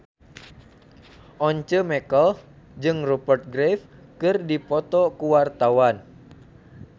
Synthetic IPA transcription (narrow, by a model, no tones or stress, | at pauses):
ʔɔɲt͡ʃəmɛkəl | d͡ʒɨŋrɔpərt̪̚ɡɾefkɨrdipɔt̪ɔkuwart̪awan